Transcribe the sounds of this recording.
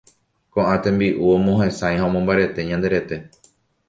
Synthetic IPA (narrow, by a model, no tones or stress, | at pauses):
kõ̞ʔãt̪ẽ̞mbiʔuõmõɦẽ̞saj̃ɦaõmõmbaɾe̞t̪e̞ɲãnd̪e̞ɾe̞t̪e̞